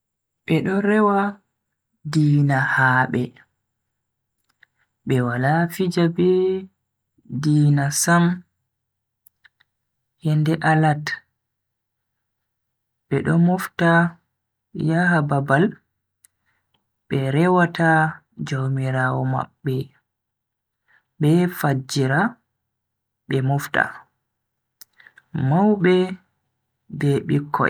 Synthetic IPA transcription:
ɓɛɗɔɾɛwa | diːnahaɓɛ | ɓɛwalafid͡ʒabɛ | diːnasam | hɛndɛʔalat | ɓɛ̰ɗɔ̰mɔfta | jaɦababal | ɓɛɾɛwatʰa | d͡ʒowmiɾaːwɔma̰ɓːɛ | ɓɛfad͡ʒiɾa | ɓɛmɔfta̰ | mawɓɛ | bɛɓikʰːɔ̰

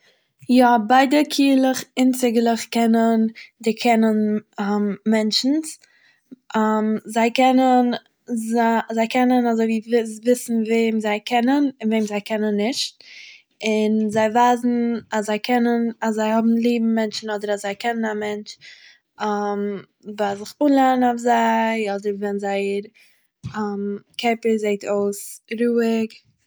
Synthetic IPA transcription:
jɔbaɪdəkʰiːlˠəχɪnt͡sɪɡlˠəχkɛnəndɪkʰɛnənammɛnt͡ʃn̩s | amzaɪkɛnən | zazaɪkɛnənazoɪviːvɪsvɪsn̩veːmzaɪkʰɛnənɪnveːmzaɪkɛnənːɪʃt̚ | ɪnzaɪvaːzn̩aszaɪkʰɛnənaszːaɪhɔbm̩lˠiːbm̩mɛnt͡ʃn̩ɔdəɾazaɪkɛnənamɛnt͡ʃ | am | vazɪχuːnlˠanaʊfzaɪɔdəɾvɛnzaɪɾ | amkʰɛpəɾzeɪtʰoʊsɾuːɪk

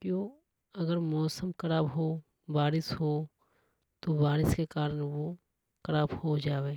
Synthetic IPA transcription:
kjoː | ɐɡəɾmɔːsəmkɐɾaːbɦoː | baːɾɪsɦoː | t̪obaːɾɪskekaːɾənʋo | kɐɾaːbhod͡ʒaːʋeː

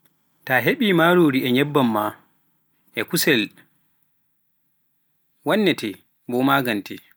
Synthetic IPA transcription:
taɦeɓiːmaɾoːɾiɛɲɛbːamːa | ʔɛkusɛl | wanːɛtʰɛ | bɔmaːɡantɛ̰

